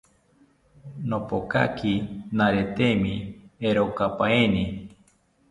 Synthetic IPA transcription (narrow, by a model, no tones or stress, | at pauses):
nopoka̰kʰinaɾet̪emĩeɾokapaeni